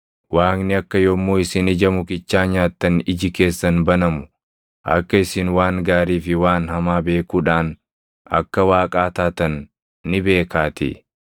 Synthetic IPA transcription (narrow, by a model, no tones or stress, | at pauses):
waːknɪɐkːɐjɔmːuːɪsɪnɪd͡ʒɐmʊkɪt͡ʃːaːɲaːt̪ːɐnɪd͡ʒɪke̞ːsːɐnbɐnɐmʊ | ʔɐ̰kːɐɪsɪnwaːŋɡaːɾiːfɪwaːnhɐmaːbe̞ːkuːᶑaːn | ɐ̰kːɐwaːkʼaːt̪aːt̪ɐnː | ɪbe̞ːkaːt̪ɪ̰